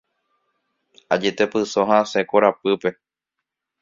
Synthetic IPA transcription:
a̰d͡ʒet̪epɨsõɦãsekoɾapɨpe̞

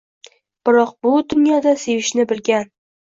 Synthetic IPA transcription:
b̥ɪɾɒq̚bʊd̪ʊnjɒd̪ase̞vɪʃnɪbɪlɡʲan

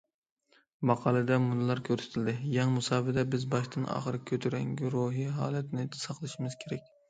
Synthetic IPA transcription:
mɑqʰɑlˠɨd̪ɛmunɨlˠɑɾkʲʰøɾsɪ̥t̪ʰɪld̪ɪjɑŋmusɑːbɪd̪ɛbɪzbɑʃt̪ɨnʔɑ̰ːχəɾɨkʲʰːøt̪ʰyɾɛŋɡʲyɾoɦiɦɑːlˠɛt̪nɪsɑqlˠɨʃimɪz̥kʲʰeɾɛk̚ʲ

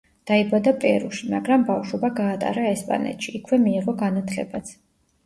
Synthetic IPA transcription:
d̪̥aibad̪apʼɛɾuʃimaɡɾambafʃwɔbaɡaːt̪ʼa̰ɾaɛspʼa̰nɛ̰t̪ʃiːkʰwɛmiɛʁɔɡanat̪ʰlɛ̰bat̪sʰ

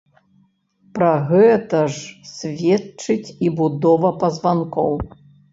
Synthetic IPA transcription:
pɾɐɣɛt̪ɐʐsʲvʲɛtt͡ʂɨt͡sʲibud̪ɔvɐpɐzvankɔw

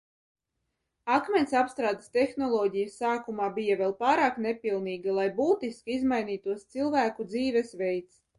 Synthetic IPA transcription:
akmʲɛnʲsapst̪ɾaːd̪est̪ɛxnɔlˠɔːɟijəsːaːkumaːbijavʲɛlˠpaːɾaːknepilˠniːɡalˠajbuːt̪iskiizmajniːt̪uɔst̪silˠvæːkud̪ziːvɛsvɛjt̪s

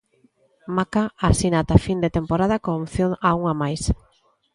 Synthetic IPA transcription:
makaasinat̪afind̪et̪empoɾað̞akomθjonauŋamajs

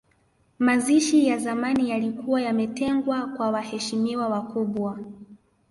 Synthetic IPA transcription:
maziʃijazamanijalikuwajamɛtɛŋɡwakwawahɛʃimiwawakuɓwa

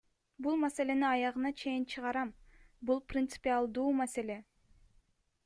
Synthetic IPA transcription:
bulˠmase̞le̞niɑjɑʁɯnɑt͡ʃʰe̞jint͡ʃʰɯʁɑɾɑmbulˠprʲɪnt̪sɨ̥pʲialˠd̪uːmase̞le̞

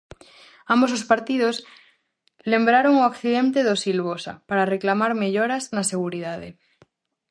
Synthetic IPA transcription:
ambo̞s̬ospaɾt̪iðos | le̞mbɾaɾo̞ŋoakθiðe̞nt̪e̞ðo̞silβ̞osa̰paɾareklamaɾmeʎoɾaznase̞ɣ̞uɾiðaðḛ

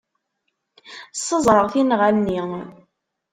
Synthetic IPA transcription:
sˤːəzˤɾˤəʁθinʁalni

